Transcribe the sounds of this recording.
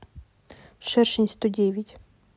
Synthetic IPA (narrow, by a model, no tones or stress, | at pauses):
ʃɛrʃinʲst̪ɔdʲɛʋʲitʲ